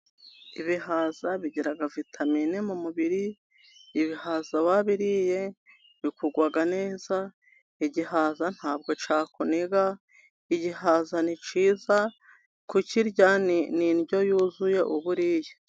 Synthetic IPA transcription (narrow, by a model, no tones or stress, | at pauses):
iβihaːzaβiɟiɾaɡavitʰaminimumuβiɾiː | βihaːzaβaβiɾije̞ | βikuɡwaɡane̞ːza | iɟihazan̥haːb̚ɡo̞t͡ʃaːkuniɡa | iɟihazanit͡ʃiːza | kuciɾɟanininɟo̞juːzuje̞ʔuβuɾije